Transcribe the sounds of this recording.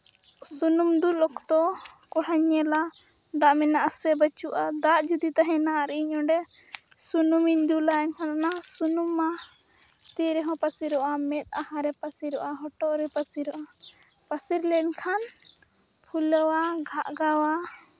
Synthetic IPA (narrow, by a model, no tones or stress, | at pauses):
sunumd̪ulɔkt̪ɔ | kɔɦaɲːɛla | d̪aʔminaʔsɛbət͡ʃuʔad̪aʔd͡ʒud̪it̪aɦɛ̃naʔaɾɛʔiɲɔ̃ɖɛsunumiɲd̪ulaɛɲkʰananasunuma | t̪iɾɛɦɔ̃pasiɾɔʔamɛt̪̚ˀaɦãɾɛpasiɾɔʔaɦɔʈɔʔɾɛpasiɾɔʔa | pasiɾlɛɲkʰan | pʰuləwaɡʱaʔɡawa